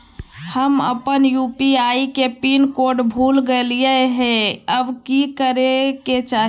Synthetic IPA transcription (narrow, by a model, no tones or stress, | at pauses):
həmə̰pənjuːpiaːikepiːnkoɾɖbʱuːlɡəliəeɦɛ̃əbkikəɾeket͡ʃa